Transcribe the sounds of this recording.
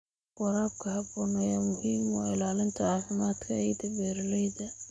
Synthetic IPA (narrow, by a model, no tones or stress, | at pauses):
qɑɾaːb̚kʰɐhɐbɔːnɛjɐmʊhiːmwɑ̰ːɪlaːlɪnt̪ʰɐaːfɪmaːd̪kʰɐɛjd̪ɐbɛːɾlɛjdɐ